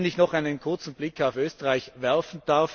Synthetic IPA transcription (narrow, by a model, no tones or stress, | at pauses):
nɪçnɔχaɪnənkʰʊɐt͡sn̩b̥lɪkʰːaʊføːstəʁaɪçvɛɐfn̩d̥aɐf